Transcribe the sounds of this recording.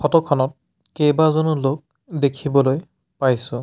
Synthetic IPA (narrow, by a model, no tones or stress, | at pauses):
pʰɔtɔkʰɔnɔt̚ | kejbazɔnulok̚ | dekʰibɔloj | pajsʊ̃